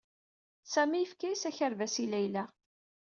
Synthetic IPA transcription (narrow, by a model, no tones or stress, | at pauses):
sæmijəfkæjsæçəɾvæsilæjlæ